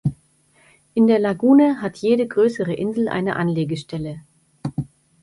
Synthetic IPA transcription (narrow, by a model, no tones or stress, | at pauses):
ʔɪndeːɐlaɡuːnəɦatʰjeːɾəɡʁøːsəʁəʔɪnzl̩ʔa̰ɪnəʔa̰nleːɡəʃtɛlə